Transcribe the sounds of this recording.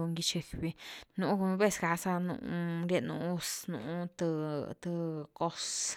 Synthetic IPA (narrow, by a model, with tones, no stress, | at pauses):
u˧ŋɡi˧t͡ʃi˧kβi˧nũ˨ũ˦kβe˦˧˨ska˨˧sa˦nṵ̃˧˨ũ˧ɾe˦˧nũ˧˦˧snṵ̃˧˨ũ˦t̪ɨ˧t̪ɨ˧ko˦s